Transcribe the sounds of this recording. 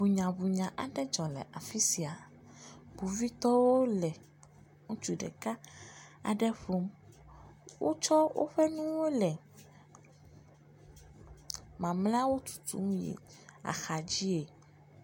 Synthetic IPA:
bu˨ɲã˨bu˨ɲã˨ʔa˨ɖɛ˦d͡ʒɔ˨lɛ̰˨ʔa˨fi˦si˨a˨ | bu˨vi˦t̪ɔ˦wo˦lɛ˨ | ŋũ˦t͡ʃu˨ɖɛ̰˨ka˦a̰˨ɖɛ˦ɸo˦m | wʔo˦t͡ʃɔ˦wʔo̰˦ɸɛ˦nũ˦wo˦lɛ˨ | mã˨mlã˦wo˦t̪u̥˨t̪ṵ˦m̃˦jḛ˨ | a̰˨xa˨d͡ʑi˦e˨

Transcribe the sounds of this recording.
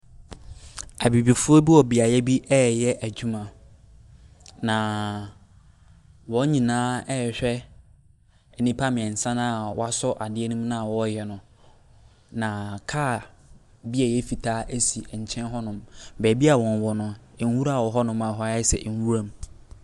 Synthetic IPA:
a˨bi˨bi˨fʊ˦ɔ˦bi˦ɔ˨bi˨a˨jɛ˦bi˦ʔɛː˦jɛ˦ʔæ˨d͡ʑᶣu˦mã˨ | nã˨ | wɔ̃˨˦ɲĩ˨nãː˦ɛ˦˨ɕᶣɛ˦ | ɛ˨nĩ˦pʰa˦mɪ̃˨ɛ̃˨n̩˨sã˦nã˦˨wɔ̰˦a˦sɔ˦ʔa˨dɪ˦ɛ˦nũ˦m˦nã˦a˨wɔ˦jɛ˨nʊ̃˨ | nã˨kʰaː˦˨ | bi˦ɛ˨jɛ˦fi˨tʰaː˦ʔæ˦si˨ɛ˨ɲ̩˨t͡ɕʰɛ̃˦nɦɔ˦nʊ̃˦mbɛː˨bi˦a˨wɔ̃˨nwɔ˨nʊ̃˨n˦wu˦ɾa˦˨wɔ˨ɦɔ˦nʊ̃˦mã˨ɦɔ˦ɛ˦sɛ̰˨ʔn˦wu˦ɾa˦m˦

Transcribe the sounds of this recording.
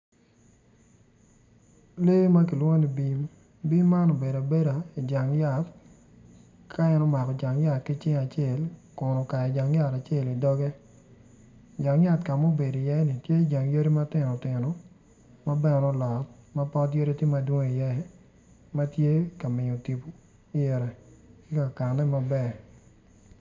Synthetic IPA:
le˦ma˦k̬i˨lwo˦ŋo˦ni˨bi˦ | bi˦mːa˦no˨be˨da˨be˦ɾa˨i˨d͡ʒa˨ŋja˨t | kʰa˦ɛ˦nɔ˦ma˨kɔ˨d͡ʒa˨ŋja˨t̚ki˦t͡ʃɪ˦ŋa˨t͡ʃe˦˨lkʊ˨nɔ˨ka˨ɛ˨d͡ʒa˨ŋja˦ɾa˨t͡ʃe˦˨li˨dɔ˦ɡɛ˦ | d͡ʒa˨ŋja˦˨tka˨mo˦be˨di˨jɛ˦ni˨tje˦˨d͡ʒa˨ŋjo˦ɾi˦ma˦tɪ˨nɔ˨tɪ˨nɔ˨ | ma˦bɛ˦˨nɔ˦lɔ˨t̚ma˦pɔ˦tjo˦ɾe˦tji˦ma˦dwo˦ŋe˦i˨jɛ˦ | ma˦tje˦ka˨mɪ˨ɲo˨ti˨po˨ | i˦ɛ˨ɾɛ˨ki˦ka˨ka˨nɛ˦ma˦bɛ˨

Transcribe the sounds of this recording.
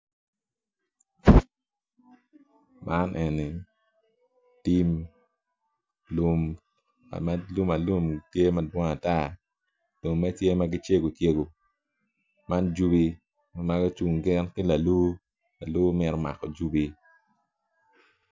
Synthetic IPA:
mʔa˦nʔe˨ni˨ | ti˦m | lu˦m | a̰˨ma˦lu˦ma˨lu˦mtje˦ma˦dwɔ˦ŋa˨ta˦ | lo˨mːe˦tje˦ma˦ɡɪ˦t͡ʃe˦ɡo˨tje˦ɡo˨ | ma˦nd͡ʒu˦bi˦ | ma˦ɡɔ˦t͡ʃu˨ŋɡɪ˦nkɪ˦la˨lu˦ | la˨lu˦mɪ˦ɾɔ˦ma̰˨kɔ˨d͡ʒu˦bi˦

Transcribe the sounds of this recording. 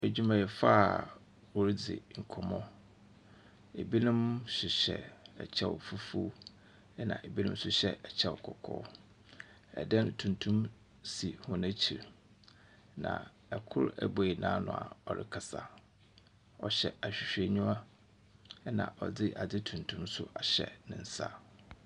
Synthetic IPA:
æ˨d͡ʑᶣu˦mã˨jɛ˨fa˦˨ | wo˨ɾi˦d͡zɪ̰˨ŋ̩˨kʰɔ˨mɔ̃˦ | e˨bi˦nʊ̃˦mɕɪ˨ɕɛ˨ɛ̰˨t͡ɕʰɛ˦wfu˦fu˦ | nã̰˨e˨bi˦nũ˦m˦sʊ˨ɕɛ˦ɛ˨t͡ɕʰɛ˦wkʰɔ˨kʰɔ̰ː˦ | ɛ̰˨dɛ̃˦n˨tʰũ˨ntʰũ˦m | si˨hʊ̃˦næ̃˦t͡ɕʰi˨ɾ | nã̰˨ | ɛ˨kʰʊ˦ɾɛ˦bɔ˨i˨nãː˦nʊ̰̃˨a̰˨ɔ˨ɾɪ̰˦kʰa˨sa˨ | ɔ˨ɕɛ˨a˨ɕᶣi˨ɕᶣe˨ɲũ˦a˦ | nã̰˨ʔɔ˨d͡zɪ˦ʔa˨d͡zɪ˦tʰũ˨ntʰũ˦msʊ˦a˨ɕɛ̰˨nɪ̃˨n̩˦sa̰˦

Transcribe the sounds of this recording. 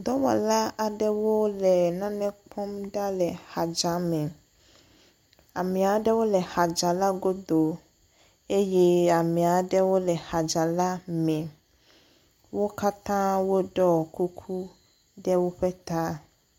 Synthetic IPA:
d̪ɔ˦wɔ̰˨la˦a˨ɖɛ˦wo˦lɛ˨nã˦nɛ̃˦k͡pʰɔ˦mɖa˦lɛ˨ha˨d͡ʒa˨mɛ̃˨ | a˨mɛ̃˨a˨ɖɛ˦wo˦lɛ˨ha˨d͡ʒa˨la˦ɡo˦d̪o˨ | e˦jɛ˦a˨mɛ̃˨a˨ɖɛ˦wo˦lɛ˨ha˨d͡ʒa˨la˦mɛ̃˨ | wo˦ka˦t̪ã˦wo˦ɖɔ˦˨ku˦kʰu˦ | ɖɛ˦wo˦ɸe˦t̪a˦

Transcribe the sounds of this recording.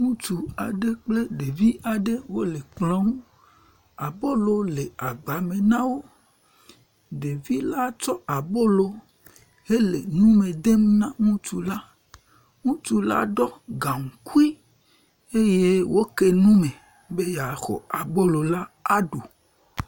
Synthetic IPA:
ŋũ˦t͡ʃu˨a˨ɖe˦k͡ple˦ɖe˨vi˦ʔa˨ɖe˦wo˦le˨k͡plɔ˦ŋũ˦ | a˨bo˦lo˦le˨a˨ɡ͡ba˨mẽ˨nã˦wo˦ | ɖe˨vi˦la˦t͡ʃɔ˦a˨bo˦lo˨ | e˦le˨nũ˦mẽ˨d̪e˦m˦nã˦ŋũ˦t͡ʃu˨la˦ | ŋũ˦t͡ʃu˨la̰˦ɖɔ˦ɡã˨ŋũ˨ku˦i˦ | e˦je˦wo˦ke˦nũ˦mẽ˨ | be˦ja˨xɔ̰˨a˨bo˦lo˨la˦a˦ɖo˨

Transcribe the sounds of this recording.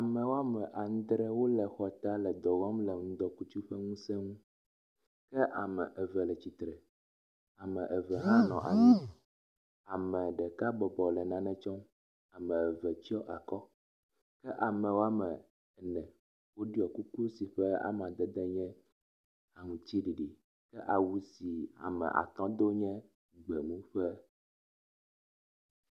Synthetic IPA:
a˨mɛ̃˨wo˦a˦mɛ̃˨ʔa˨ŋ̩̃˦d̪ɾɛ˦wo˦lɛ˨xɔ˨t̪a˦lɛ˨d̪ɔ˨ɣɔ˦mlɛ˨ŋũ˦d̪ɔ˦ku˦t͡ʃu˦ɸɛ˦ŋũ˦sɛ˦ŋũ˦ | kɛ˦ʔa˨mɛ˨ʔɛ˨vɛ˨lɛ˨t͡ɕi˨t̪ɾɛ˨ | a˨mɛ̃˨ʔɛ˨vɛ˨ɦã˦nɔ̃˨ʔa̰˨ɲi˦ | a˨mɛ̃˨ɖɛ˨ka˦bɔ˨bɔ˨lɛ˨nã˨nɛ̃˦t͡ʃɔ˦m | a˨mɛ̃˨ɛ˨vɛ˨t͡ɕi˦ɔ˦ʔa˨kɔ˦ | kɛ˦ʔa˨mɛ̃˨wo˦a˦mɛ˨ | nɛ̃˨ | wo˦ɖi˦ɔ˨ku˦ku˦si˨ɸɛ˦a̰˦m˨ã˨d̪ɛ˨d̪ɛ˦ɲɛ̃˦ | a˨ŋũ˨t͡ɕ̪i˦ɖi˨ɖi˨ | kɛ˦ʔa˨wu˦si˨a̰˨mɛ̰̃˨ʔa̰˨t̪ɔ̃˦d̪o˦ɲɛ̃˦ | ɡ͡bɛ˨mũ˦ɸɛ˦

